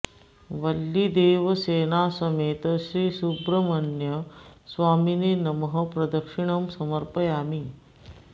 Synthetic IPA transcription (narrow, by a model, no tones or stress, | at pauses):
ʋɐlːid̪eːʋɐseːnaːsɐmeːt̪ɐʃɾiːsubɾɐmɐnjɐsʋaːmineːnɐmɐɦɐ̆pɾɐd̪ɐkʂiɳɐmsɐmɐɾpɐjaːmi